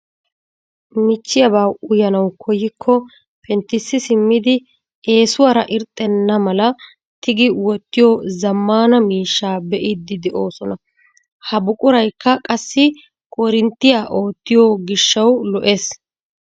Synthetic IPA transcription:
mɪt͡ʃːɪjɐbaːwʊjɐnɐwkʰɔjːɪkʰːɔ | pʰɛnt̪ːɪsːɪsɪmːɪd̪ɪ | e̞ːsʊwaɾɐʔɪɾt̪ʼːɛnːɐmɐlɐ | t̪ɪɡɪwɔt̪ːɪjɔzɐmːaːnɐmiːʃːaːbɛʔɪd̪ːɪd̪ɛʔo̞ːsɔnɐ | hɐbʊkʼʊɾɐjkːɐkʼɐsːɪ | kʼɔɾɪnt̪ːɪjaːʔo̞ːt̪ːɪjoɡɪʃːɐwlɔʔe̞ːs

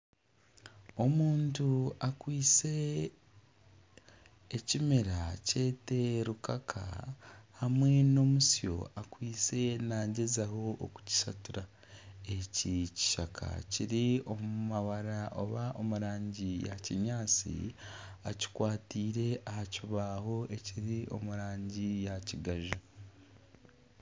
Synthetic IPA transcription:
o̞muːntuakwiːt͡se̞ | cimeɾace̞te̞ɾukakʰa̰hamwe̞no̞musjo̞̰akwiːt͡se̞naːɲɟezaho̞ʔːku̥ci̥satuɾa | e̞cici̥ʃakʰa̰ciɾio̞mumaβaɾaʔoβaʔo̞muɾaːɲɟija̰ciɲaːt͡sḭaci̥kwaːtiːɾe̞ahaciβaho̞e̞ciɾio̞̰muɾaːɲɟijaciɡaʒa

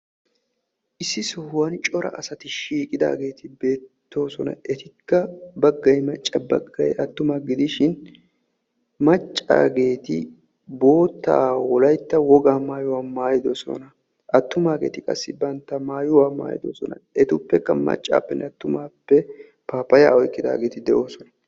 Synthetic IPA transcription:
ʔɪsːɪsʊhwɐnt͡ʃʼɔɾɐ̰ʔɐsɐt̪ɪʃiːkʼɪd̪a̰ːɡe̞ːt̪ɪbe̞ːt̪ʰːo̞ːsɔnɐ̰ɛt̪ɪkːɐbɐɡːɐjmɐt͡ʃʼːɐbɐɡːɐjʔɐt̪ːʊmaɡɪd̪ɪʃɪn | mɐt͡ʃʼːa̰ːɡe̞ːt̪ɪ | bo̞ːt̪ːa̰ːwɔlɐjt̪ːɐwɔɡaːmaːjʊwaːmaːjɪd̪ɔsɔ̰nɐ | ɐt̪ːʊmaːɡe̞̰ːt̪ɪkʼɐ̰sːɪbɐnt̪ːɐmaːjʊwaːma̰ːjɪ̰d̪o̰ːsɔnɐ̰ɛt̪ʊpːɛkːɐmɐ̰t͡ʃʼːa̰ːpːɛnʔɛɐt̪ːʊmaːpːɛ | paːpːɐja̰ːɔjkːɪd̪a̰ːɡe̞ːt̪ɪd̪ɛʔo̞ːsɔnɐ

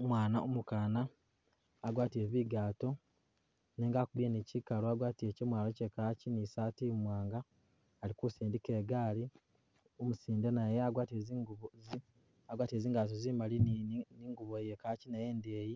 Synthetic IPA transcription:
omwaːnao̰mukaːnaː | ɡwaːtie̞βiɡaːto̞ | neːŋɡakuβenicikaloaɡwaːtiecemwaːlocekacinisaːtimwaːŋɡaː | likusiːndike̞ːɡaːli | omusiːndenajeaɡwaːteziŋɡuβzi | aɡwaːtie̞ziːŋɡat̬ozimaliniːŋɡuβojekaːcinaje̞ːndeːji

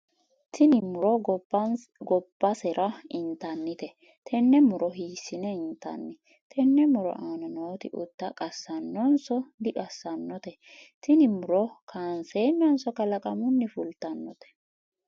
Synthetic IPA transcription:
t̪ɪnɪmʊɾɔ | ɡɔb̥ːɐsɛɾʔɐɪnt̪ɐnːɪt̪ɛ | t̪ʰɛnːɛmʊɾɔɦiːsːɪnɛɪnt̪ɐ̰nːɪ | t̪ʰɛnːɛmʊɾɔ̰ʔaːnɔnoːt̪ɪ̰ʔʊ̰t̪ːɐkʼɐsːɐnːɔnsɔd̪ɪᶑʼɐsːɐnːɔt̪ɛ | t̪ɪnɪmʊɾɔkʰaːnseːnːɔnsɔkɐlɐkʼɐmʊnːɪfʊlt̪ɐnːɔt̪ɛ̥

